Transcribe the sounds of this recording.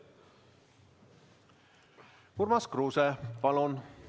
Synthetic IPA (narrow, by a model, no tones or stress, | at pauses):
uɾmɑskruːsɛpɑlun